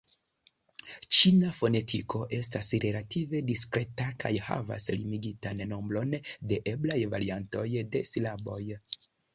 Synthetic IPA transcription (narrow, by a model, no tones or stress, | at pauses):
t͡ʃinafo̞ne̞tʰiko̞ʔe̞stasɾe̞lative̞diskɾe̞taka̰jha̰va̰slimiɡitanːo̞mbɾo̞nde̞ʔeblajvaɾianto̞jde̞slabo̞j